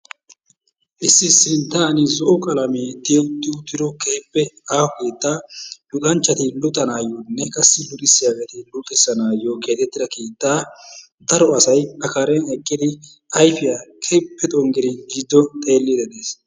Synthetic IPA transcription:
ʔɪsːɪsɪnt̪ːaːnɪzɔʔɔkʼɐlɐmeːt̪ɪjɛʊt̪ːɪʊt̪ːɪd̪ɔkeːpːɛaːhɔke̞ːt̪ːaːlʊt̪ʼɐnt͡ʃːɐt̪ɪlʊt̪ʼːɐnaːjonːɛkɐsːɪlʊt̪ʼɪsːɪjaːɡɛt̪ɪlʊt̪ʼɪsːɐnaːjoke̞ːt̪ɛt̪ːɪd̪ɐkeːt̪ːaː | d̪ɐɾɔɐsɐjɐkaːɾɛnɛkʼːɪd̪ɪ | ɐjfɪjaːkʰeːpːɛt̪ʼɔŋɡɪɾɪd͡ʒid̪ːɔt̪ʼe̞ːlːɪd̪ɛd̪eːs

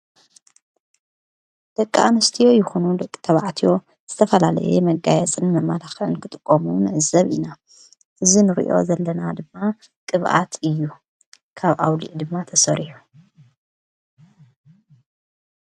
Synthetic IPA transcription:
d̪̥ɐkʼːanɐst̪ʰijo̞jɪxonud̪ɐkʼːi̥t̪ʰɐβaʕt̪ʰijo̞ | z̥ɨt̪ʰɐfɐlalɐ̰jemɐɡajɛt͡sʼɨnmɐmːalaxʕɨnkʰɨt̪ʼɨ̥kʼːomumɨʕzɐβʔḭna | ʔɨzinɨɾḭʔo̞̰zɐlːɐnad̪ɨmːa | kʼɨβʔa̰t̪ʰɨjːu | kʰaβʔawlḭʔd̪ɨmːat̪ʰɐsɐɾiħu̥

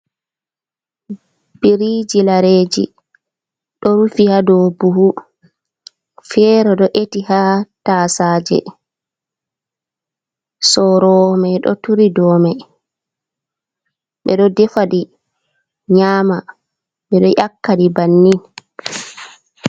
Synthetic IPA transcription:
b̥iɾid͡ʒilaɾeːd͡ʒḭ | ɗɔɾufihadɔbuhu | fɛɾɔɗɔʔetihatasaːd͡ʒɛ̰ | sɔɾɔmɛɗɔ̰tuɾidɔmɛ | ɓɛɗɔdɛfaɗi | ɲaːma | ɓɛɗɔjakːaɗibanːin

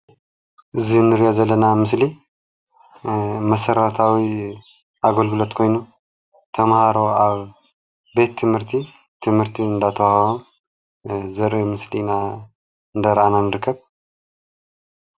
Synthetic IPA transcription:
ʔɨzinɨɾijozɐlːɐnamɨsli | mɐsɐɾaɾt̪ʰawi | ʔaɡolɡɨlo̞t̪kʰo̞jnu | t̪ʰɐmhaɾo̞aβ | be̞t̪ʰːɨmhɨɾt̪ʰi | t̪ʰɨmhɨɾt̪ʰiɨnd̪at̪ʰɐwahhom | zɐɾɨmɨslina | ɨnd̪aɾʔananɨɾɨkʰːɐβ

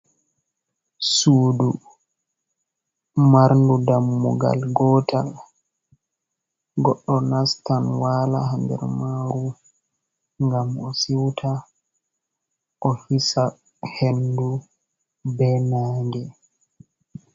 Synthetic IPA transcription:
suːdu | maɾndudamːuɡa̰lɡɔːtʰal | ɡɔɗːɔnastanwala̰handɛ̰ɾmaːɡu | ŋɡamɔsiwtʰa | ʔɔhisa | hendu | bɛnaːŋɡɛ

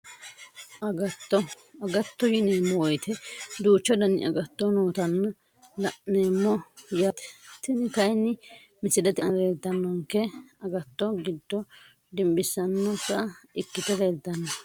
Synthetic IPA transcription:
ɐɡɐt̪ːɔ | ɐɡɐt̪ːɔjɪneːmːɔwɔjt̪ʰɛd̪uːt͡ʃːɐd̪ɐnːɪ̰ɐɡɐt̪ːɔnuːt̪ɐnː | lɐʔneːmːɔjat̪ɛ̥t̪ːɪnɪkɐjnːɪ | mɪsɪd̪ɐt̪ɐɾeːd̪ːɐnːɔŋkɛɐɡɐt̪ːɔɡɪd̪ːɔ | d̪ɪmbɪsɐnːɔkɐɪkːɪt̪ɛd̪eːd̪ɐnːɔ

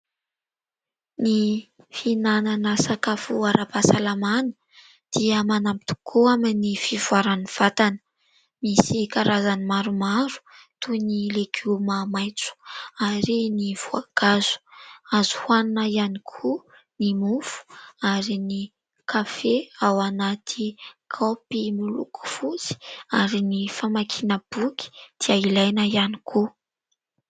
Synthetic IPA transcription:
ni | finananasakafuaɾapasalamanə̥ | d̪̥iəmanampit̪u̥kʰuaminifivuaɾaniv̥at̪anə | misikaɾazanimaɾumaɾu̥ | t̪unilekʰumamajt͡su̥aɾiniv̥uaɡazu̥azu̥hwannəianikʰu | nimufu̥aɾini | kʰafeawanat̪ʰikʰopimulṵkʰu̥fut͡si̥aɾinifamakʰinəb̥uki̥d̪̥iailajnəianikʰu

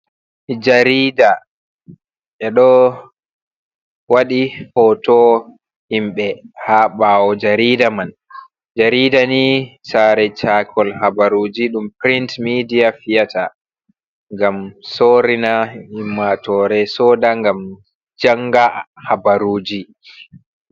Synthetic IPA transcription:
d͡ʒaɾiːda | ʔɛɗɔ | waɗihɔtɔ | himɓɛhaɓaːwɔd͡ʒaɾiːdaman | d͡ʒaɾiːdanisaɾɛt͡ʃakʰɔlhabaɾuːd͡ʒiɗumpɾintmidiafijatʰa | ŋɡamsoɾinaimːatʰɔːɾɛsɔdaŋɡam | d͡ʒaŋɡahabaɾuːd͡ʒi

